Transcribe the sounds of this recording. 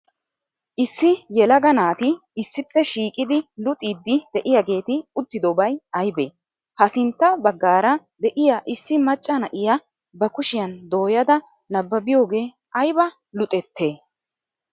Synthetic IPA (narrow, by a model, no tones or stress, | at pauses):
ʔɪsːɪjɛlɐɡɐnaːt̪ɪɪsːɪpːɛʃiːkʼɪd̪ɪlʊt̪ʼiːd̪ːɪd̪̥ɛʔɪjɐɡe̞ːt̪ɪʊt̪ːɪd̪ɔbɐjɐjbḛː | hɐsɪnt̪ːɐbɐɡːaːɾɐd̪ɛʔɪjaʔɪsːɪmɐt͡ʃʼːɐnɐʔɪjɐ | bɐkʊʃɪjɐnd̪o̞ːjɐd̪ɐnɐbːɐbɪjo̞ːɡe̞ːɐjbɐlʊt̪ʼɛt̪ːe̞ː